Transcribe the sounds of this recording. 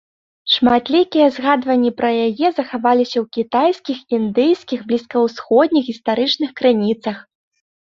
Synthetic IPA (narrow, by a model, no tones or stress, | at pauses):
ʂmat̪lʲikʲijɛzɣad̪vɐnʲːipɾɐjajɛzɐxavalʲisʲɐwkʲit̪ajskʲixind̪ɨjskʲiɣblʲiskɐwsxɔd̪ʲnʲixɣʲist̪aɾɨt͡ʂnɨxkɾɨnʲit̪sɐx